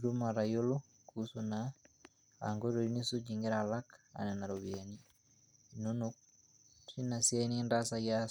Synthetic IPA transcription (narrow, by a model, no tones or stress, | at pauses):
ɾumaɾajolo | kusuna | a̰ŋɡoɾoinisud͡ʒiŋɡeɾalaka̰nɛnaɾoβiani | inonuk̚ | sinasianindasaja